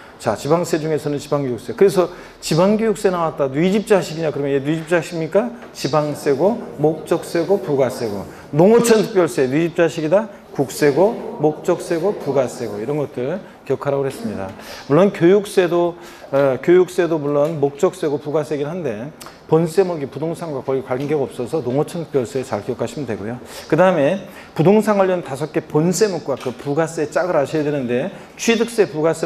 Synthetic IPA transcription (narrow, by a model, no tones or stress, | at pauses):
t͡ɕat͡ɕibaŋs͈ʰe̞d͡ʑuŋe̞sʰʌnɯnt͡ɕibaŋɡojuk̚s͈e̞kɯɾe̞sʰʌ | t͡ɕibaŋɡjojuk̚s͈e̞nawat̚t͈anwɥid͡ʑip̚t͡ɕ͈aɕʰiɡiɲakɯɾʌmjʌnjenwɥid͡ʑip̚t͡ɕ͈aɕʰiɲik͈a | t͡ɕibaŋs͈eɡomok̚t͡ɕ͈ʌk̚s͈e̞ɡopuɡas͈ʰe̞ɡo̰ | noŋʌt͡ɕʰʌntʰɯpjʌɭs͈e̞nwɥid͡ʑip̚t͡ɕ͈aɕʰiɡida | kuk̚s͈e̞ɡomok̚t͡ɕ͈ʌk̚s͈e̞ɡopuɡasʰe̞ɡoiɾʌnɡʌt͈ɯɭ | kjʌkʰaɾaɡoɦe̞s͈ɯmɲida̰muɭːonkjojuk̚s͈e̞do | kjojuk̚s͈e̞domuɭːonmok̚t͡ɕ͈ʌk̚s͈e̞ɡopuɡas͈eɡiɭɦande̞ | pons͈e̞mʌɡipudoŋsʰaŋɡwakʌikwaɡe̞ɡaʌp̚s͈ʌsʰʌnoŋʌt͡ɕʰʌnp͈jʌɭs͈et͡ɕaɭkijʌkʰaɕʰimɯndwe̞̰ɡojokɯdaɯme̞ | pudoŋsʰaŋɦaʎːʌntasʰʌk͈e̞pons͈e̞mok̚k͈wakɯpuɡas͈et͡ɕ͈aɡɯɾaɕʰiedwe̞nɯnde̞ | t͡ɕʰɥidɯk̚s͈e̞puɡas͈e